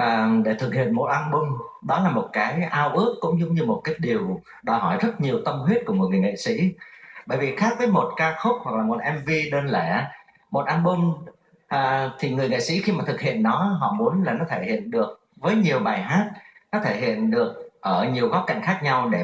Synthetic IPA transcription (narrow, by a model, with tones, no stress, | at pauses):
ʔəː˨˩ɗe˧˩t̪ʰɨ˨˩k̚hḭ˧˨ənmo˨˩t̚ʔaː˧nɓʊ˧ŋɗɔ˨˦laː˨˩mo˨˩t̚kaː˨˦jʔaː˧wʔɨ˦˥əkːʊ̰˧˥ŋ͡mɲʊ˧˨˦ŋ͡mɲɨ˧mo˨˩t̚kaː˨˦jɗi˨˩əw | ɗɔ˨˩jhɔ˧˩jzə˦˥t̚ɲi˨˩əwt̪ə˧mhwi˦˥t̚kʊ˧˩mo˨˩ŋ˨˩ŋḛ˧˨sḭ˧˥ɓə̰ː˧˨jvi˨˩xaː˦˥t̚vəː˨˦jmo˨˩t̚kaː˧xə˦˥p̚hwa˨˩k̚laː˨˩mo˨˩t̚ʔɛ˧mvi˧ɗe˧nlɛ˧˩ | mo˨˩t̚ʔaː˧nɓʊ˧ŋ | ʔːt̪ʰi˨˩ŋɨ˨˩əjŋḛ˧˨sḭ˧˥xi˧maː˨˩t̪ʰɨ˨˩k̚hḭ˧˨ənːɔ˨˦ɦɔ̰˧˨mu˨˦ənlaː˨˩nɔ˨˦t̪ʰe˧˩hḭ˧˨ənɗɨ˨˩ək̚ | vəː˨˦jɲi˨˩əwɓaː˨˩jɦaː˦˥t̚nɔ˨˦t̪ʰe˧˩hḭ˧˨ənɗɨ˨˩ək̚ʔəː˧˩ɲi˨˩əwɣɔ˨˦˥p̚ka̰˧˨jŋ̟xaː˦˥k̚ɲa˧wɗe˧˩